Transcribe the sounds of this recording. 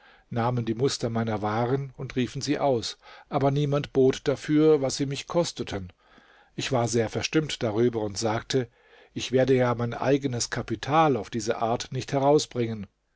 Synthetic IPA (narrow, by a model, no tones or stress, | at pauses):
naːməndiːmʊstɐmaɪnɐvaːʁənʊntʁiːfn̩ziːʔaʊsʔaːbɐniːmantb̥oːtd̥afyːɐvasz̥iːmɪçkʰɔstətʰən | ʔɪçv̥aːɐzeːɐfɛɐʃtɪmtd̥aʁyːbɐʊntz̥aːktʰə | ʔɪçv̥eːɐdəjaːmaɪnʔa̰ɪɡənəskʰapitʰaːlaʊfd̥iːzɐʔaːɐtnɪçthɛʁaʊsb̥ʁɪŋən